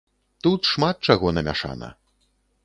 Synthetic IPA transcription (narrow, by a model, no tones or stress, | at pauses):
t̪ut̪ʂmat̪̚t͡ʂaɣɔnɐmʲa̰ʂa̰nɐ̰